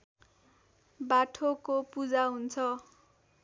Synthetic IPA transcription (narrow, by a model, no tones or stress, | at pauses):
baʈʰokopud͡zaɦunt͡sʰʌ